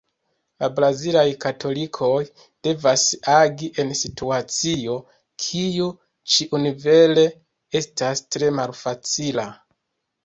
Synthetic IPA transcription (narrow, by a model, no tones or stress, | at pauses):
labɾazilajkatʰo̞likʰo̞j | d̥e̞vasaɡiʔe̞nsituat͡sio̞ | kʰiju | t͡ʃiʔunive̞le̞ | e̞stastɾe̞malfat͡sila